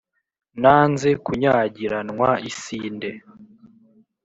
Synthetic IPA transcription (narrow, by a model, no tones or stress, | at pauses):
naːnze̞kuɲaːɟiɾanŋwaisiːnde̞